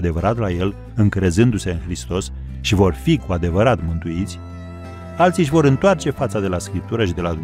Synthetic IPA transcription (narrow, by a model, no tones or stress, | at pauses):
d̪e̞vəɾat̪laje̞l | ɨŋkɾe̞zɨnd̪use̞ɨnxɾist̪o̞s | ʃivo̞rfikuad̪e̞vəɾat̪mɨnt̪uit̪sʲ | alt̪siʃ̬ʲvo̞ɾɨnt̪oart͡ʃe̞fat̪səd̪e̞laskɾip̚t̪uɾəʃid̪e̞lad̪u